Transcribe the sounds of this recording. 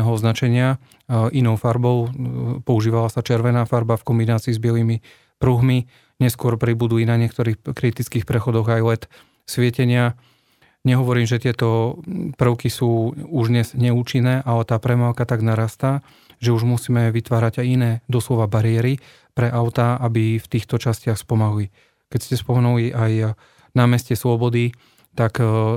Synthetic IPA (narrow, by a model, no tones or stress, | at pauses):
ɛɦɔɔznat͡ʃɛɲɪa | ʔinɔʊfaɾbɔʊpɔuʒiːʋalasat͡ʃɛɾʋɛnaːfaɾbafkɔmbinaːt͡siːzbɪɛliːmi | pɾuɦmi | ɲɛskʊɔɾpɾibud̪uinaɲɪɛk̚t̪ɔɾiːxkɾit̪it͡skiːxpɾɛxɔd̪ɔɣajlɛt̪ | sʋɪɛcɛɲɪa | ɲɛɦɔʋɔɾiːmʒɛt̪ɪɛt̪ɔpr̩ʊkisuːuʒd̪ɲɛz̥ɲɛuːt͡ʃinːɛːʔalɛt̪aːpɾɛmaʊkat̪aɡnaɾaːst̪a | ʒɛuʒmusiːmɛʋit̪ʋaːɾaɟajinɛːd̪ɔslɔʋabaɾɪɛɾi | pɾɛʔaʊt̪aʔabift̪iːxt̪ɔt͡ʃascɪaxspɔmaɦuli | kɛcscɛspɔmɛnuliʔaj | namɛscɛslɔbɔd̪i | t̪ak